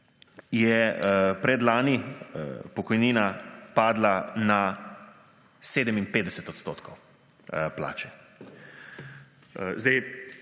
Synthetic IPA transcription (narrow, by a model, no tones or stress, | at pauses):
jɛpɾɛd̪laːnḭ | pɔkɔjniːnapaːd̪lana | seːd̪ɛmimpeːd̪d̪ɛsɛt̪ɔt̪st̪oːt̪kɔw | pla̰ːt͡ʃɛ̥ | zd̪ɛj